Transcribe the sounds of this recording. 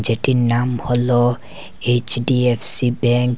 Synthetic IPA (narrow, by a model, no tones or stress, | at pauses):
d͡ʒeʈinamhɔlɔ | et͡ʃɖiepʰsibɛ̃ŋk